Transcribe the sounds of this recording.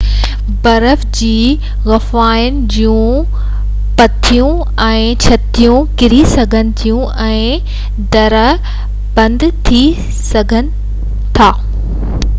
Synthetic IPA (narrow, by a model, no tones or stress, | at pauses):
bɐɾəfd͡ʑiː | ɣɐfaːɪn̆d͡ʑiũ | pɐt̪ʰijũ | ɛ̃ːt͡ɕʰɐt̪ijũkɪɾisɐɡʱənɪ̆t̪ʰijũʔɛ̃ː | d̪ɐɾə | bɐ̃nd̪t̪ʰi | sɐɡʱənɪ̆ | t̪ʰaː